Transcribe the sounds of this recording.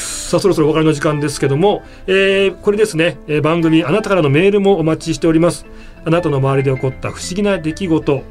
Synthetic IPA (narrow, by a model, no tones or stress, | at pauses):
saso̞ɾo̞sooakaɾeno̞ʑikãnd̪e̞sɨ̥ke̞d̪o̞mo̞ | eːko̞ɾe̞d̪e̞sɨne̞ːbãŋɡɯ̟mʲianat̪akaɾano̞me̞ːɾɯ̟mo̞ːmat͡ɕiɕi̥t̪e̞oɾʲimasɨ̥ | anat̪ano̞maβaɾʲid̪e̞o̞ko̞t̪ːa̰ɸɯ̟̥ɕiɡʲinad̪e̞kʲiɡo̞t̪o̞